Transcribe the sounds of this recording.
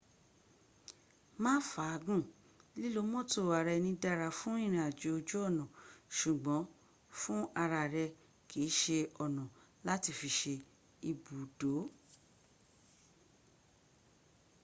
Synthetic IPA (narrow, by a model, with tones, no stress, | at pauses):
mãː˦fa˨˧˦ɡũ˦˨ | li˦lo˦mɔ̃˦to˦˨a˨ɾɛ˧nĩ˧da˧ɾa˧fũ˦ĩ˦˨ɾ̃ĩ˧˦a˨d͡ʒo˨˦o˧d͡ʒo˦ɔ˦˨nɔ̃˨ʃu˨ɡ͡bɔ̃˨˦ | fũ˦a˧ɾa˧˨ɾɛ˧ | kʰi˨˦ʃe˧ɔ˨nɔ̃˨la˦ti˧˨fi˧ʃe˧ | i˧bu˨do˨˦